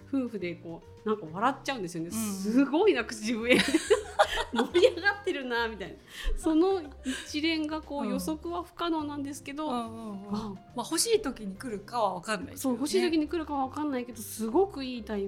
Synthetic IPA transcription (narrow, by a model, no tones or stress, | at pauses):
ɸɯ̟ːɸɯ̟d̪e̞ko̞ː | nãŋkaβaɾatt͡ɕːaɯ̟̃nd̪esɨjo̞nesɨɡo̞inakɯ̟̥ibɯ̟eenoɾʲiaɡat̪ːe̞ɾɯ̟namʲit̪ainasono̞it͡ɕiɾẽ̞ŋɡako̞ːjo̞so̞kɯ̟βaɸɯ̟̥kano̞ːnãnd̪e̞sɨ̥ke̞d̪o̞a | maho̞ɕiːt̪o̞kʲiɲ̟ikɯ̟ɾɯ̟kaβaβakanːa̰iso̞ːho̞ɕiːt̪okʲiɲ̟ikɯ̟ɾɯ̟kaβaβakanːaike̞d̪o̞sɨɡo̞kɯ̟iːt̪ai